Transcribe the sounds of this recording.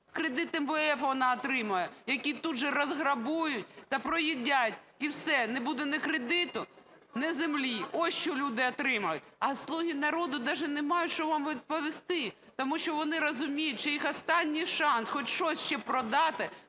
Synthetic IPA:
kɾed̪ɪt̪emʋeɛfʋɔnɑɔt̪ɾɪmɐjɛjɐkʲit̪ud̪ʒɛɾɐzɦɾɐbujʊtʲt̪ɐpɾɔjidʲatʲ | iwsɛnɛbud̪ɛnɛkɾed̪ɪt̪ʊ | nɛzemlʲiɔst͡ʃɔlʲud̪ɪɔt̪ɾɪmɐjʊtʲɐslˠuɦʲinɐɾod̪ʊd̪ɑʒɛnɛmɑjʊtʲt͡ʃɔʋɑmʋʲid̪̚pɔʋʲɪst̪ɪ | t̪ɔmuʃt͡ʃɔʋɔnɪɾɔzʊmʲijʊtʲt͡ʃɛjixɔst̪ɑnʲːijʃɑnsxɔtʲʃt͡ʃɔsʲʃt͡ʃɛpɾɔd̪ɑt̪ɪ

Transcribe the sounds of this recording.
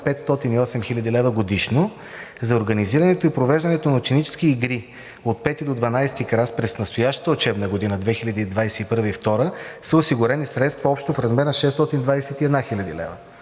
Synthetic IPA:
pɛt̪st̪ɔt̪iniɔsɛmxilʲɐd̪ilɛvəɡod̪iʃno | zɐoɾɡəniziɾɐnɛt̪oipɾovɛʒd̪ɐnɛt̪onɐot͡ʃɛnit͡ʃɛ̥skiːɡɾi | ot̪̚pɛt̪id̪od̪vɐnajst̪ikɾaspɾɛsnɐst̪ojaʃt̪ə̥t̪əot͡ʃɛbnəɡod̪inəd̪vɛxilʲɐd̪id̪vajsɛipɤɾvəift̪ɔɾəsəosiɡʊɾɛnisɾɛt̪st̪vɐɔpʃt̪ofɾɐzmɛɾnɐʃɛst̪ɔt̪ind̪vajsɛt̪iɛd̪naxilʲɐd̪ḭlɛ̰və̰

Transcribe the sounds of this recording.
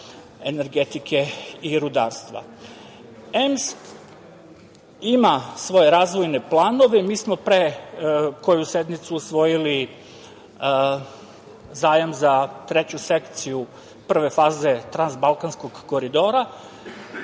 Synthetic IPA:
e̞ne̞ɾɡet̪ikʰe̞iɾud̪aːɾst̪ʋa̰ | ems | imasʋo̞jeɾaːzʋo̞jne̞plˠaːno̞ʋemiːsmo̞pɾe | ko̞juse̞d̪mit̪suːsʋo̞jili | zaːjamzat̪ɾe̞t͡ɕuse̞kt̪siju | pr̩ʋe̞faːze̞t̪ɾanzbalˠkansko̞ɡːo̞ɾid̪o̞ːɾa

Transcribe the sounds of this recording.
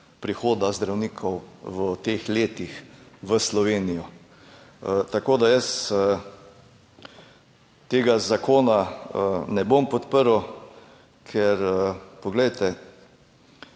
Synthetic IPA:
pɾixoːd̪azd̪ɾawniːkʰɔwʋət̪eːxleːt̪ixʋəslɔʋeːnijɔ | ət̪akoːd̪ajəsə | t̪eːɡazakʰoːnaənɛbompɔt̪pəɾw | kʰɛɾəpɔɡlɛjt̪ɛ

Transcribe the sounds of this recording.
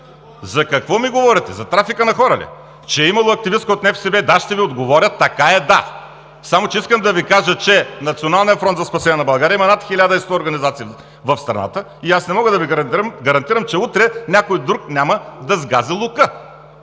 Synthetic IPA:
zɐkɐkvɔmiɡovɔɾʲɛt̪ɛzɐt̪ɾafikənɐxɔɾɐlḭ | t͡ʃɛimɐlˠoɐk̚t̪ivis̚kəot̪nɛfsɛbɛd̪aʃt̪ɛviod̪ɡovɔɾʲət̪ːɐkaɛd̪a | samot͡ʃɛiskəmd̪ɐvikaʒət͡ʃɛnɐt̪sionalˠnijəfɾɔnt̪zɐspɐsɛnʲiɛnɐbɐlˠɡaɾʲiəimɐnat̪xilʲad̪əist̪ɔoɾɡɐnizat̪si | vɐfst̪ɾɐ̰na̰t̪ə | iasnɛmɔɡəd̪ɐviɡɐɾɐt̪iɾəmɡɐɾɐnt̪iɾɐmt͡ʃɛut̪ɾɛnʲakojd̪ɾuknʲaməd̪ɐzɡazilˠukə

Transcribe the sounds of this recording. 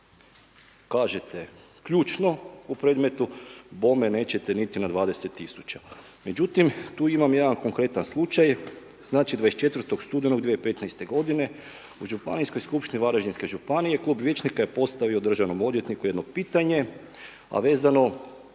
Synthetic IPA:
kaːʒe̞t̪e̞kʎuːt͡ʃno̞upɾe̞ːd̪met̪ubo̞me̞ne̞ːt͡ɕe̞t̪enit̪inad̪ʋaːd̪e̞set̪ːisut͡ʃa | me̞d͡ʑut̪imt̪uːimamjed̪anko̞ŋkɾe̞t̪anslˠut͡ʃaj | z̥naːt͡ʃid̪ʋaest͡ʃe̞t̪ʋɾ̩t̪o̞ɡst̪ud̪enoɡd̪ʋijeipe̞t̪najst̪e̞ɡo̞d̪ine̞ | uʒupa̰nisko̞jskupʃt̪iniʋaɾaʒd̪inske̞ʒupanije̞klˠuːbʋje̞t͡ʃnikaje̞po̞st̪aʋiod̪r̩ʒaʋno̞mo̞d̪je̞t̪nikuje̞d̪no̞piːt̪aɲe̞ | a̰ʋe̞ːzano̞

